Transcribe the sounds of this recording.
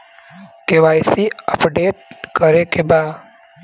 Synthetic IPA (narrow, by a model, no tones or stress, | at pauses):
keʋajsiəpɖeʈ̚kəɾekeba